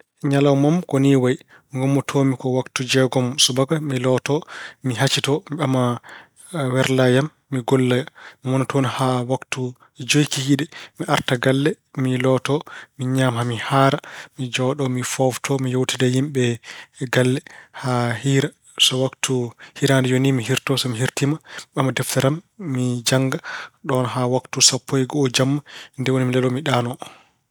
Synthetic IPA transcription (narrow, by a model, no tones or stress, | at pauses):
ɲalawmamkoniwaj | ŋɡɔmːɔtʰomikɔwaktud͡ʒɛɡɔmsubaɡamilɔtɔmiɦat͡ʃitɔmiɓama | wɛɾlajamːiɡɔlːajamiwɔnatʰonhawaktu | d͡ʒojkihiɗɛmiʔaɾtaɡalːɛ | milɔtɔmiɲaːmhamihaɾamid͡ʒɔɗɔmifɔftʰɔmijowtidajimɓɛɡalːɛhahiɾa | sɔwaktuhiɾandɛjonimiɦiɾtɔsɔmiɦiɾtimaɓamːadɛftɛɾamːid͡ʒaŋɡaɗɔnɦawaktusapʰːojɡɔːd͡ʒamːandɛwonimilɛɗɔmiɗaːnɔ